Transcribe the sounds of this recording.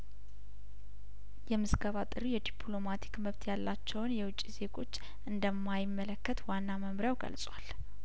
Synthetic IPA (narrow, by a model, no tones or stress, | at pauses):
jɛmɨzɡəβat̪ʼɨɾijɛd̪ipʰlo̞mat̪ʰi̥kməβt̪ʰjalːat͡ʃːɛwnjɛwʊt͡ʃʼːize̞ɡʼo̞t͡ʃː | ʔɨnd̪əmːajɪmːələkːət̪wanːaməmɾjawɡə̰lsʼwal